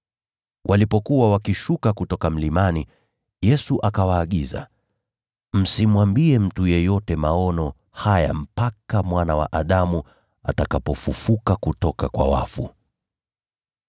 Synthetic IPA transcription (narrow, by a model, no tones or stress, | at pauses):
wʔalipɔkuwawakiʃukakutɔkam̩limani | jɛsuʔakawaːɠiza̰ | m̩simwambiɛm̩tujɛjɔtɛmaɔnɔ | haja̰m̩pakamwanawa̰ʔaɗamu | a̰takapɔfufukakutɔkakwa̰wa̰fu